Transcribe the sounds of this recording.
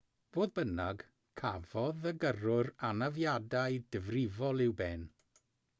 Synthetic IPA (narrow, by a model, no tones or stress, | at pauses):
v̥oːðbənaɡ̥ | kʰavɔðəɡərʊranavjadajdəvrɪvɔlˠɪwbɛn